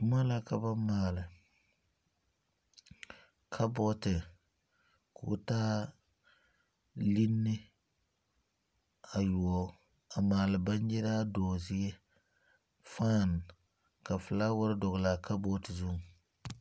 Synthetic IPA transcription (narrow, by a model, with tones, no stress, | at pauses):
ma˦la˦ka˨ba˦maː˨lɪ˨ | kʰa˦bɔ˦tɪ˨ | kʊ̰˨˦taː˦ | li˦nːɪ˦ | a˨ju˨ɔ˨ | a˨maː˨lɨ˨ba˦n˦jɪ˦ɾaː˦dɔː˨zɪ˦ɛ˦ | faː˦˨n˨ | ka˨fɪ˨la˦wʊ˦ɾɪ˦dɔ˨ɣla˨ka˦bɔ˦tɪ˨zu˦˨